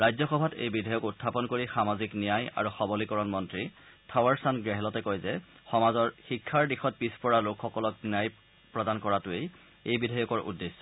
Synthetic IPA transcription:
ɹajzɔxɔbʱatḛjbidʱajɔkutʰːapɔnkoɹixamaziknijaja̰ɹuxɔbɔlikɔɹɔnmɔntɹitʰawaɹsanɡɹɛɦɛlɔtɛkojzɛxɔmazɔɹxikʰːaɹdixɔt̚pispɔɹalokʰxɔkɔlɔk̚nijaj | pɹɔdankɔɹatʊej | ejbidʱajɔkɔɹʔṵdːesːɔ̥

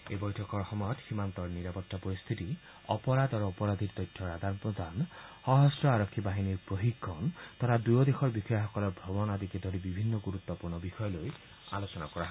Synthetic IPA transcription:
ebɔjʈʰɔkɔɾhɔmɔjɔt̪simant̪ɔɾniɾapɔɾt̪apɔɾist̪ʰit̪i | ɔpɔɾad̪aɾoɔpɔɾad̪ʱiɾt̪ɔjtʰːɔɾad̪ʱanpɾod̪ʱanhɔɦɔsɾɔaɾɔkʰːibaɦiniɾpɾoɦikːɔnt̪ʰɔɾad̪ujɔd̪exʰɔɾbixɔjaɦɔkɔlɔɾbʱɔbɔnad̪iked̪ʱoɾibibʱinːɔɡuɾut̪ːɔpuɾɳɔbixɔjɔloj | a̰lot͡ʃɔnakɔɾaɦ

